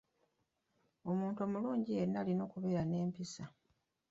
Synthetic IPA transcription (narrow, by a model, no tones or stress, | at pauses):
o̞muːntomuluːɲɟienːalino̞ːkuβe̞ːɾane̞ːmpisa